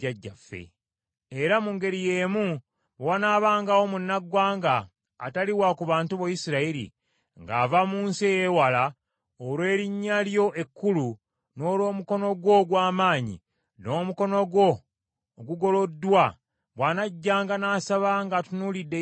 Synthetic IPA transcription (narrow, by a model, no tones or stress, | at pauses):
aɟːafːḛ | eɾamuŋɡe̞ɾije̞ːmu | wanaːβaːŋɡawo̞munːaɡwaːŋɡa̰ː | taliwakuβaːntuβojisiɾaiɾḭ | ŋɡa̰ːvamuːnsiejewala | olwe̞ːɾiɲːaljo̞ʔe̞kːulu | no̞ːlwo̞ːmuko̞no̞ɡwo̞ɡwaːmaːɲḭ | no̞ːmuko̞no̞ɡwo̞ː | ɡuɡo̞lo̞dːwa | βwanaɟːaːŋɡanaːsaβaŋɡatunuːlidːe